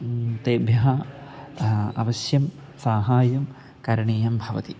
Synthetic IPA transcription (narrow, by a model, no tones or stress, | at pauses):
t̪eːbʱjɐɦɐ | ɐ̰ʋɐsjɐm | saːɦaːjɐm | kɐɾɐɳeːjɐmbʱɐʋɐ̰t̪i